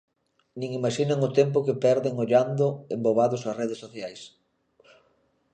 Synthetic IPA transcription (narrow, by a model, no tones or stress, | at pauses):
nĩŋimaʃinɐŋʊt̪emp̬ʊkepɛɾðeŋʊʎand̪ʊembowβaðʊsɐsreðesːoθjajs